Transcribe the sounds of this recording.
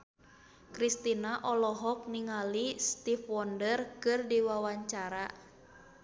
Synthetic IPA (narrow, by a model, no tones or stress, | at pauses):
kɾist̪inaʔɔlɔɦɔk̚niŋalist̪ifwɔndərkɨrdiwawaɲt͡ʃaɾa